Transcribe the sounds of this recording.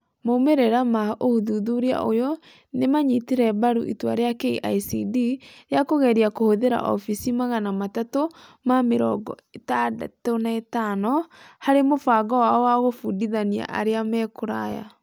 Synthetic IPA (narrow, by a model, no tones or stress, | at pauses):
momeɾeɾamaohuðuðuɾea̰ʔojɔ | nemaɲitiɾɛbaɾṵʔḭtwa̰ɾeakeiʔa̰isidijakoɣɛɾiakohoðeɾa̰ʔɔ̰fisimaɣanamatatomameɾɔ̰ɡɔ̰ | etada̰tonaetanɔhaɾemofaɡɔwaɔwaɣofudiðania̰ʔa̰ɾeamɛkoɾa̰ja̰